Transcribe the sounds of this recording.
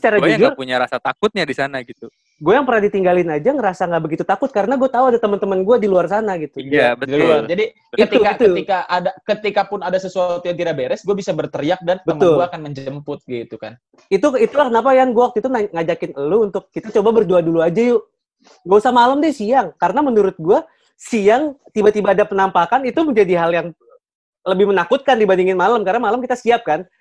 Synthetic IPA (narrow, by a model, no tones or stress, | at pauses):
ə̥t͡ʃaɾad͡ʒud͡ʒʊrpuɲaɾasat̪akʊt̪̚ɲadisanaɡit̪u | ɡuajaŋpərnadit̪iŋɡalɪnad͡ʒaŋəɾasaŋɡaʔbəɡit̪ut̪akʊt̪̚kaɾənaɡuat̪auadat̪əmənt̪əmənɡuadiluarsanaɡit̪ujabəiad͡ʒadi | it̪iukait̪əuikaʔadakət̪ikapʊnadasəsuat̪ujaŋt̪iɾabeɾɛsɡuabisabərt̪əɾiak̚dantbəmənʊɡluaːkanməɲd͡ʒəmpʊt̪̚ɡit̪uka̰n | it̪uit̪ulahkənap̬ajaŋɡuak̚t̪uit̪unaŋad͡ʒakɪnəluːnt̪ʊkːit̪at͡ʃobabərduaduluad͡ʒajʊ | ɡuausamaləmdisiaŋkaɾənamənuɾʊt̪̚ɡua | siaŋt̪ibat̪ibaːdapənampakanit̪uməɲd͡ʒadiɦaljaŋ | ləbɪhmənakʊt̪̚kandibandiŋɪnmaləmkaɾənamaləmkit̪asiap̚kan